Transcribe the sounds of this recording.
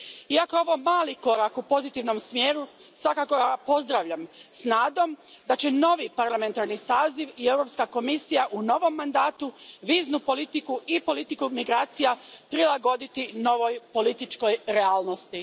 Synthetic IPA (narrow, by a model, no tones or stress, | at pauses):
iakooʋo̞maːliko̞ɾakupo̞zit̪iʋno̞msmje̞ːɾu | sʋakako̞ɡapo̞zd̪ɾaʋʎamsnaːd̪o̞md̪at͡ɕe̞no̞ʋipaɾlˠame̞nt̪aɾnisaːziʋievɾo̞pskako̞misijaʔuno̞ʋo̞mːand̪aːt̪uʋiːznupo̞lit̪ikuipo̞lit̪ikumiɡɾaːt̪sijapɾilˠaɡo̞d̪it̪ino̞ʋo̞jpo̞lit̪it͡ʃko̞jɾe̞aːlˠno̞st̪i